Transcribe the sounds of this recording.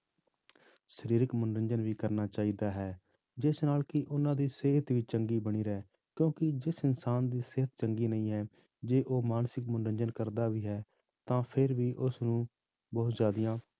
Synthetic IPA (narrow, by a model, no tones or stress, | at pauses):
ʃəɾiːɾɪkmʊnɾəɲd͡ʒənʋiːkəɾnaːt͡ʃaːiːd̪aːɦɛː | d͡ʒɪsnaːlkɪʔʊnãːd̪iːseɦət̪ʋiːt͡ʃəŋɡiːbəɽ̃iːɾɛː | kjõːkɪd͡ʒɪsɪnsaːnd̪iːsɪɦət̪t͡ʃəŋɡiːnəĩːɦɛː | d͡ʒeːʔoːmaːnsɪkmʊnɾə̃ɲd͡ʒənkəɾd̪aːʋiːɦɛː | t̪ãːpʰɪɾʋiːʔʊsnũː | bɔːt̪zjaːd̪ijãː